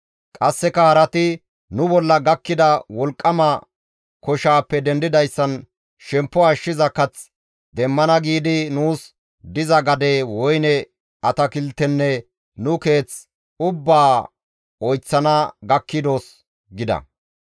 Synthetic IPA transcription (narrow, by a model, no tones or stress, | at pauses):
kʼɐsːɛkɐhɐɾɐt̪ɪ | nʊbɔlːɐɡɐkːɪd̪ɐwɔlkʼːɐmɐ | kɔʃaːpːɛd̪ɛnd̪ɪd̪ɐjsːɐn | ʃɛmpːɔɐʃːɪzɐkɐt͡s | d̪ɛmːɐnɐɡiːd̪ɪnuːs | d̪ɪzɐɡɐd̪ewɔjnɛ | ɐt̪ɐkɪlt̪ːɛnːɛ | nʊke̞ːt͡s | ʊbːaː | ɔjt͡sːɐnɐɡɐkːɪd̪o̞ːs | ɡɪd̪ɐ̰